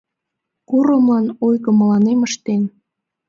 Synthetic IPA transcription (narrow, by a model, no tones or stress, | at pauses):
kuɾə̆mlɑnojɣə̆məlɑneməʃt̪en